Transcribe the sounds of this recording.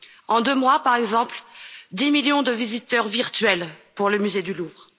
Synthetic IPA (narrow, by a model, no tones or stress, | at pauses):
ɑ̃d̪ømwapaʁɛɡzɑ̃pld̪imiljɔ̃d̪əvizit̪œʁviʁt̪ɥɛlpuʁləmyzed̪yluvʁ